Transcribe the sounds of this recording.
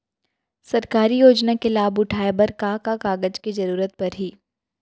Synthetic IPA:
sɐɾkaːɾijoːd͡ʒnakelaːbʊʈʰaːebɐɾkaːkakaːɡəd͡ʒkezɐɾuːɾət̪̚pɐɾɦiː

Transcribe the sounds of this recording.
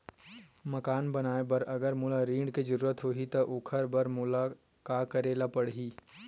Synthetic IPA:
mɐkaːnbɐnaːebɐɾɐɡəɾmʊlaɾĩːɳɖked͡ʒɐɾuːɾət̪ɦoːɦit̪oʔʊkʰəɾbɐɾmʊla | kaːkɐɾeːlapɐɽɦiː

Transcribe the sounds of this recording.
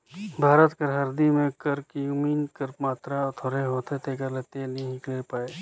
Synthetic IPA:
bʱaːɾət̪kəɾɦəɾd̪imẽkəɾkijuːmiːnkəɾmaːt̪ɾat̪ʰoːɾeɦoːt̪ʰet̪ʰekəɾleːt̪eɦenɐɦĩɦĩklepaːeː

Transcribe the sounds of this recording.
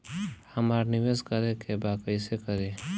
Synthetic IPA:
həmaːɾnɪʋeːskəɾekebaːkəɪsekəɾe

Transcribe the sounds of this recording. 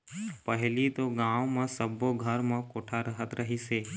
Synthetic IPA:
pəɦelit̪oɡãʋmãsəbːoɡʱəɾmãkoʈʰaɾəɦət̪ɾʔəɦiʃe

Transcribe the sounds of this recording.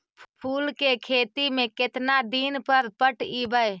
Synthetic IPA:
pʰuːlkekʰeːt̪imẽkɪt̪nad̪iːnpəɾpəʈibəj

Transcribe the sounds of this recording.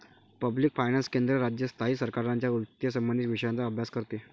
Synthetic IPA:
pəbliːkfajnanskend̪ɾəɾad͡ʑjəst̪ʰaɦiːsəɾkaɾaɲt͡ɕjaut̪jəsəmːənd̪it̪ʋiʂəjãnt͡saəbʱjaskəɾt̪e

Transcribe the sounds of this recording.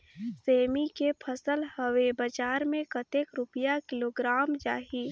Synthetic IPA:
seːmikepʰəsəlhəwebəd͡ʒaːɾmẽkət̪eːkɾʊpəjakɪloːɡɾaːmd͡ʒaːɦi

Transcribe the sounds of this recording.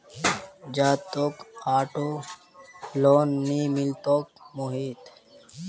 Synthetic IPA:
d͡ʒaːt̪oːkaːʈoː | loːnːimilt̪oːkmuɦiːt̪

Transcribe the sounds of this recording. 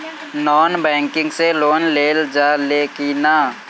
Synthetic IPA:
nɔːnbɛ̃ːŋkɪ̃ŋɡseloːnleːld͡ʒaːleːkinaː

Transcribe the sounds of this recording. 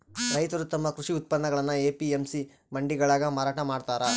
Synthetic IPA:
ɾɐjt̪ɐɾut̪ɐmːɐkɾuʂiut̪̚pɐnːɐɡɐɭɐnːɐeːpiemsi | mɐɳɖiɡɐɭaːɡɐmaːɾaːʈɐmaːɖt̪aːɾɐ

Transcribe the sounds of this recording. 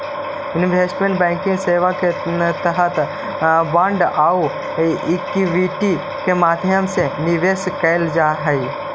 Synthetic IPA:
ɪnbʱesʈmẽɳʈbɛ̃ːŋkɪ̃ŋɡseːʋaket̪əɦət̪ | bãɳɖau | kiʋiʈi | kemaːd̪ʱjəmseniʋeːskəɪld͡ʒaɦəj

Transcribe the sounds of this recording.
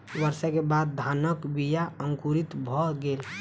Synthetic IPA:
ʋəɾsɛkebad̪̚d̪ʱanəkbijaəŋkuɾit̪bʱɔɡel

